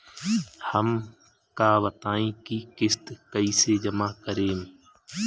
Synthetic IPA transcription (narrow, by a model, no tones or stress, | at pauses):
həm | kaːʋət̪aːĩːkiːkɪst̪kəiːseːd͡ʒəmaːkəɾeːm